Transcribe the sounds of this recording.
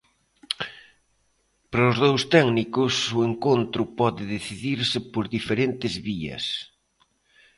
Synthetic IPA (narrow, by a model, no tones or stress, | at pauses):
pɾozðowst̪ɛɡnikʊsʊeŋkont̪ɾʊpɔðɪðeθiðiɾsɪpoɾðifeɾent̪ɪzβiɐ̰s